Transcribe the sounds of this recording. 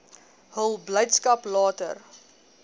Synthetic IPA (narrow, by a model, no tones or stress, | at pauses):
ɦəlˠbləjtskɐplɑːtə̰r